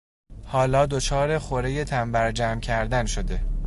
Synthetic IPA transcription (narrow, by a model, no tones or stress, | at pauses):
hɒːlɒːd̪ot͡ʃʰɒːɾe̞xoɾe̞je̞t̪ʰæmbæɾd͡ʒæːmcʰæɾd̪ænʃod̪e̞